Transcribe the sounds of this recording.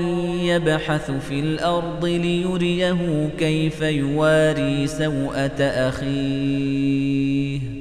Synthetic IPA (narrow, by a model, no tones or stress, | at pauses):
jabħaθfiːlʔɑɾˤd̪ˤɨlɪjʊɾɪjaɦʊkajfajʊwaːɾiːsawʔat̪aʔaxiː | h